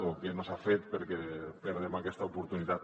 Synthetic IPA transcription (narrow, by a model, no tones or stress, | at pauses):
okenosafet̪peɾkepeɾðemakɛst̪aupuɾt̪unit̪a